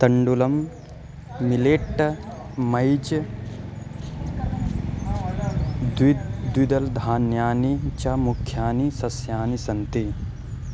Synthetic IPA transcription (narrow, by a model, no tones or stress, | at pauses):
t̪ɐɳɖulɐmː | ileːʈːɐ | mɐjd͡ʒ | d̪wid̪wid̪ɐld̪ʱaːnjaːnit͡ʃamukʰːjaːnisɐsjaːnisɐnt̪i